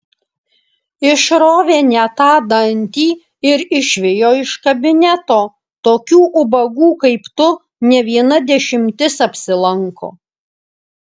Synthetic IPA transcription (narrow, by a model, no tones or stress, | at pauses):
ɪʃɾoːʋʲeːnʲɛt̪ɑːd̪ɐnʲt̪ʲiː | ɪɾɪʃʲʋʲɪjoːɪʃkɐbʲɪnʲɛt̪oː | t̪oːkʲuːʔʊbɐɡuːkɐɪpt̪ʊ | nʲɛʋʲiɛnɐd̪ʲɛʃʲɪmʲt̪ʲɪsɐpʲsʲɪlˠɐŋko̰ː